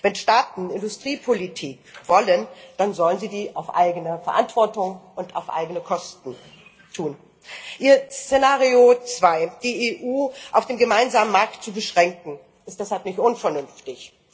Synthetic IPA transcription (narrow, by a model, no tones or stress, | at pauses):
vɛnʃtaːtn̩ɪndʊstʁ̥iːpʰolitʰiːkv̥ɔlənd̥anzɔlənziːdiːʔaʊfʔa̰ɪɡənəfɛɐʔa̰ntv̥ɔɐtʊŋʔʊnta̰ʊfʔa̰ɪɡənəkʰɔstn̩ | tʰuːn | ʔiːɐst͡senaːʁiot͡sv̥aɪd̥iːʔeʔuːʔaʊfd̥eːmɡəmaɪnzaːmənmaɐktt͡subəʃʁ̥ɛŋkŋ̩ | ɪstd̥ɛshalpnɪçtʔʊnfɛɐnʏnftɪç